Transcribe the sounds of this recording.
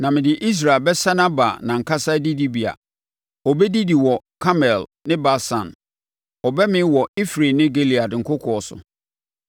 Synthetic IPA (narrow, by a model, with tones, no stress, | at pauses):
nã˨mɪ̃˨dɪ˨ʔi˦s̬ɾa˨lbɛ˦sa˦nã˦ba̰ː˨nã˨ŋ̩˨kʰa˦sa˦di˦di˦bi˨a̰˨ | ɔ˨bɛ˦di˦di˨wɔ˨kʰa˦mɛ˨lnɪ̃˦ba˦sã̰˨n | ɔ˨bɛ˦mɪ̃˦wɔ˨i˦fɾe˨nɪ̃˦ɡe˦li˨a˨dŋ̩˨kʰʊ˦kʰɔ˨ɔ˨sʊ̰˨